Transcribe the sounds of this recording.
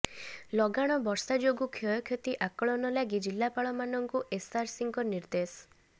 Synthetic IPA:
lɔɡaɽ̃ɔbɔɾsad͡ʒoɡukʰɔjɔkʰjɔt̪iʔakɔɭɔnɔlaɡid͡ʒilːapaɭɔmanɔŋkuʔesaɾsiŋkɔniɾd̪es

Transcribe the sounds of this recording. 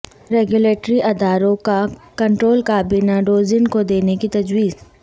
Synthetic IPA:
ɾɛːɡjʊleːʈɾiʔɐd̪aːɾõkakɐ̃ɳʈɾoːlkaːbiːnaɖoːzɪnkod̪eːnekit̪ɐd͡ʒwiːz

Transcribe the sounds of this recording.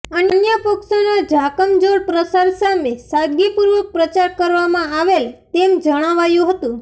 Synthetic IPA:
ənənjəpəksonad͡ʒʱakəmd͡ʒoɽpɾəsaɾsamesaɡipuɾʋəpɾət͡ʃaɾkəɾʋamãaʋelt̪emd͡ʒəɽ̃aʋajũɦət̪ũ

